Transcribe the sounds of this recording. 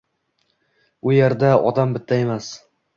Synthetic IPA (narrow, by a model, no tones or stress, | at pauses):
ʊjeɾd̪aɒ̰d̪ambɪt̪ʰːae̞mas